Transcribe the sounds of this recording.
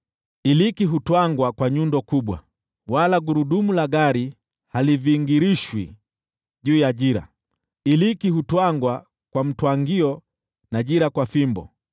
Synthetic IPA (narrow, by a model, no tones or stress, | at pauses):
ilikiɦutwaŋɡwakwaɲundɔkuɓwa̰ | walaɡuɾuɗumulaɡaɾi | haliviːŋɡiɾiʃwḭ | ʄuːjaʄiɾa̰ | ilikiɦutwaŋɡwa | kwam̩twaŋɡiɔ | naʄiɾakwafimbɔ̰